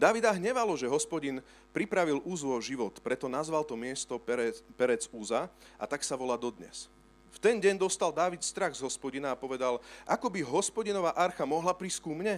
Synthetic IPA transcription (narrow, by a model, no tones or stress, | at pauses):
d̪aːʋid̪aɦɲɛʋalɔʒɛɦɔspɔɟin | pɾipɾaʋilʔuːzʋɔʒiʋɔt̪pɾɛt̪ɔnazʋalt̪ɔmɪɛst̪ɔpɛɾɛd͡zuzaʔa̰t̪aksaʋɔlaːd̪ɔd̪ɲɛ̰s | ft̪ɛnɟɛɲd̪ɔst̪ald̪aːʋit̪st̪ɾaɣzɦɔspɔɟinaːpɔʋɛd̪alʔakɔbiɦɔspɔɟinɔʋaʔaɾxamɔɦlapɾiskuːmɲɛ